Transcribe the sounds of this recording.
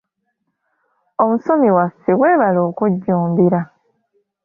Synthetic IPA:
omusomiwasiɡweːβaloːkuɟːuːmbiɾa

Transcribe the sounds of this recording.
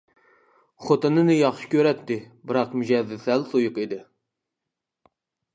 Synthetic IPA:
χot̪ɨnɨnɨjɑχʃɪ̥kʲøɾɛt̪ːɪ | bɨɾɑqmyd͡ʒɛðɪsælsojʊqid̪ɪ

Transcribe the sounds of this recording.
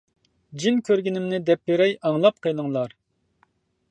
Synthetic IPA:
d͡ʒinkʲʰøɾɡʲinɪmnɪd̪ɛpːeɾɛjɑŋlˠɑp̚qʰəjlˠəŋlˠɑɾ

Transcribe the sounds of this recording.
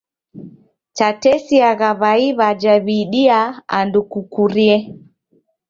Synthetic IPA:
t͡ʃatɛsiaɣaβaiβad͡ʒaβiɗiaa̰ndukukuɾiɛ

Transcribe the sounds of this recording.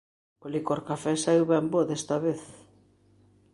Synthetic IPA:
polikoɾkafɛsaiwβɛmboðɛst̪aβeθ

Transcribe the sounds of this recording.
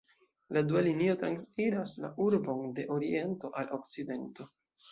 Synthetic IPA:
ladualinio̞tɾansfiɾasla̰ʔuɾbo̞nde̞ʔo̞ɾie̞nto̞ʔalʔo̞k̚t͡side̞nto̞

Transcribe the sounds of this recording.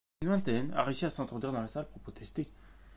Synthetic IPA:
nwɛ̃t̪ɛna̰ʁiʃeasɑ̃t̪χɔd̪iʁd̪ɑ̃lasalpuʁpχɔt̪ʰɛst̪e

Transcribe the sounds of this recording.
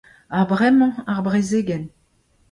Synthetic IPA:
abʁɛmɑ̃aʁbʁezeːɡɛn

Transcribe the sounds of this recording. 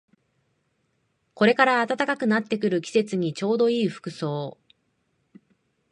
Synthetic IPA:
ko̞ɾe̞kaɾaːt̪at̪akakɯ̟nat̪ːe̞kɯ̟ɾɯ̟kʲi̥se̞t͡sɨɲ̟it͡ɕo̞ːd̪o̞iːɸɯ̥kɯ̟so̞ː

